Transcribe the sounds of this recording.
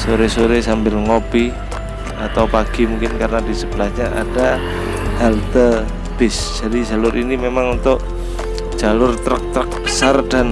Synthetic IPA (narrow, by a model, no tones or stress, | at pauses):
soɾesoɾesambɪlŋopi | at̪awpaɡ̥i̤muŋkɪnkarnadisəb̥əlasɲaʔa̰d̥a | halt̪ə | b̥ɪsd͡ʒ̥adid͡ʒalʊɾʔinimemaŋunt̪ʊʔ | d͡ʒ̥alʊrt̪ɾək̚t̪ɾək̚bə̥sardan